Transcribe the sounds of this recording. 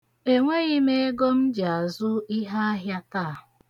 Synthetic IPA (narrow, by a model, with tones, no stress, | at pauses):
e˦ŋʷe˦ɣi˦me˦e˦ɡo˦m̩˦d͡ʒa˨zʊ˦i˦ɦa˦a˦ɦja˦taː˦˨